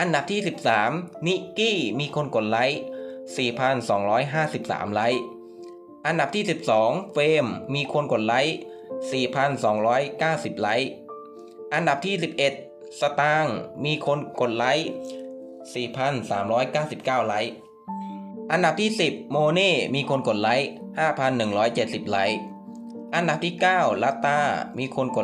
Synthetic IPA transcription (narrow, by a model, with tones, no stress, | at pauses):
ʔa˧nda˨˩p̚t̪ʰiː˥˩si˨˩p̚saː˩˦mni˦˥kiː˥˩miː˧kʰo˧nko˨˩t̪̚la˦˥jsiː˨˩pʰa˧nsɔː˩˦ŋɾɔː˦˥jɦaː˥˩si˨˩p̚sa̰ː˩˦mla˦˥j | ʔa˧nda˨˩p̚t̪ʰiː˥˩i˨˩p̚sɔː˩˦ŋfeː˧mːiː˧kʰo˧nko˨˩t̪̚la˦˥j | siː˨˩pʰa˧nsɔː˩˦ŋɾɔː˦˥jkaː˥˩wsi˨˩p̚la˦˥j | ʔa˧nda˨˩p̚t̪ʰiː˥˩si˨˩p̚ʔe˨˩t̪̚ | sa˧t̪aː˧ŋmiː˧kʰo˧nko˨˩t̪̚la˦˥j | siː˨˩pʰa˧nsa̰ː˩˦mɾɔː˦˥jkaː˥˩wsi˨˩p̚kaː˥˩wla˦˥j | ʔa˧nda˨˩p̚t̪ʰiː˥˩si˨˩p̚moː˧neː˥˩miː˧kʰo˧nko˨˩t̪̚la˦˥jhaː˥˩pʰa˧nːɯ˨˩ŋɾɔː˦˥jt͡ɕe˨˩t̪̚si˨˩p̚la˦˥j | ʔa˧nda˨˩p̚t̪ʰiː˥˩kaː˥˩wla˦˥t̪ːaː˧˩miː˧kʰo˧nko˨˩